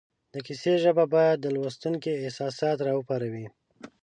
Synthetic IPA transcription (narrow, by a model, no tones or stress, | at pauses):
d̪əkiseʒəbabɑjad̪ːəlwəst̪uŋkiɪhsɑsɑt̪ɾɑəpɑɾawi